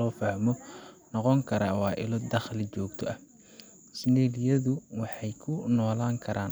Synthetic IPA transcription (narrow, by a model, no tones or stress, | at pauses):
ɔːfɐhmɔnɔqɔŋkʰɐɾaːwɑːʔɪ̰lɔd̪ɐχlɪt͡ʃɔːɡt̪ʰɔʔɐ | sɪnɛːlɪjɐðʊwɑħɑjkʰʊnɔːlaːŋkʰɐɾʔaːn